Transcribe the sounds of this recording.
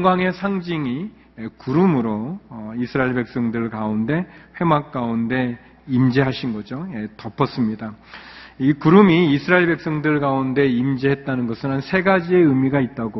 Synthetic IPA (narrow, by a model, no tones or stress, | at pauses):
ŋɡwaŋe̞sʰaŋd͡ʑiŋi | ekuɾumɯɾoisʰɯɾaiɭbe̞k̚s͈ʌŋdɯɭkaunde̞ɸwe̞mak̚k͈aunde̞ | imd͡ʑiɦaɕʰinɡʌd͡ʑoetʌpʰʌs͈ɯmɲida | ikuɾumiːsʰɯɾaiɭbe̞k̚s͈ʌŋdɯɭɡaunde̞imd͡ʑiɦe̞t̚t͈anɯnɡʌsʰɯnɦansʰe̞ɡad͡ʑie̞ɯmiɡait̚t͈aɡo